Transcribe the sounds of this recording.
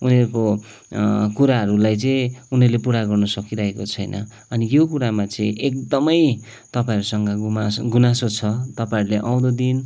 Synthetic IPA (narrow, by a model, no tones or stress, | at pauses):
uneɾko | kuɾaɦʌɾulajt͡sʌĩunerlepuɾaɡʌrnʌsʌkiɾaɦekot͡sʰʌjnʔʌ̰ | ʌnijokuɾamat͡sʌĩʔekd̪ʌmʌj | t̪ʌpaĩɾusʌŋɡʌɡmɡunasot͡sʰʌt̪ʌpãiɾuleʔãw̃d̪ʌd̪in